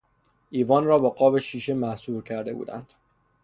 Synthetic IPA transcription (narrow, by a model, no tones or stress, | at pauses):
ʔiːvɒːnrɒːbɒɢɒːbeʃiːʃemæhsuːɾcʰæɾd̪e̞bṵːd̪æ̰nd̪̥